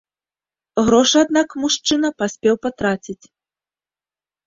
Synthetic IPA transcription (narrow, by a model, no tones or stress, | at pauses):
ɣɾɔʂɨad̪nakmuʂt͡ʂɨnɐpasʲpʲɛwpat̪ɾat͡sʲit͡sʲ